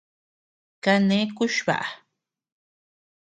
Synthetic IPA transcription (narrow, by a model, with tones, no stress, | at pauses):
ka˧nẽ˦ku˦ʃβa̰˨ʔa˨